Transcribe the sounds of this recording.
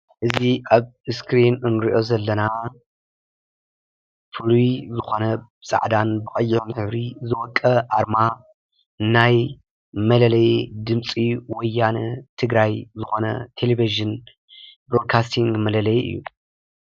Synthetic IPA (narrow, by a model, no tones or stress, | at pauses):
ʔɨziʔaβɨskʰɾinɨnɾiʔo̞zɐlːɐna | fɨlujzɨxo̞nɐ | sʼa̰ʕd̪anbɨkʼɐjːʕomħɨβɾizɨwɔkʼːɐʔaɾma | naj | mɐlɐlɐjd̪ɨmt͡sʼiwɔjːanɐt̪ʰɨɡɾajzɨxo̞nɐ̰t̪ʰeleviʒɨn | bɾo̞d̪̚kʰast̪ʰiŋɡmɐlɐlɐjʔɨ̰jːṵ